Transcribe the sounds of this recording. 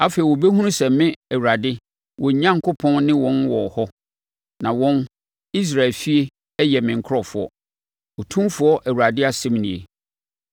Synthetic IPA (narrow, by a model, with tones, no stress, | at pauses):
a˦fe˨i˨wɔ˨be˦ɦũ˦nũ˦sɛ˨˦mɪ̃˦æ˨wɾa˨dɪ˦ | wɔ˨ɲ˨ɲã˦ŋkʰo˦pʰɔ̃˦nnɪ̃˦wɔ̃˦nwɔ˨hɔ˦ | nã˨wɔ̃˦n | i˦s̬ɾa˨lfi˦e˦ | jɛ˨mɪ̃˨ŋ̩˨kʰɾɔ˨fʊ˨˦ɔ̰˦ | ɔ˨tʰũ˦mfʊ˨˦ɔ˦ʔæ˨wu˨ɾa˨dɪ˦a˨sɪ˦m˨nĩ˨ḛ˨